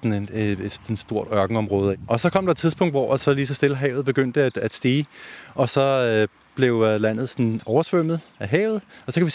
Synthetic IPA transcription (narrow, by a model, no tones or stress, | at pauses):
neeed̥sd̥o̝ɐ̰d̥ɶɐɡ̥n̩ɒ̽mʁɔːð̞ˠʔɒ̽sɒ̽kʰɒ̽md̥ɑ̥t͡sʰiðˠsb̥ʰɔ̽ŋ̰d̥ʋɒæsɒ̽liːsɒ̽sd̥e̝ləɦɛʊð̩ˠb̥e̝ɡ̥øn̰d̥əæd̥æd̥sd̥iːʔɒ̽sɒ̽ø | b̥le̝ʊlæn̰ð̩ˠsɒ̽nɒʊɐsʋøm̰ð̩ˠæɦɛ̰ːʊð̞̩ˠɒ̽sɒ̽kʰæʋi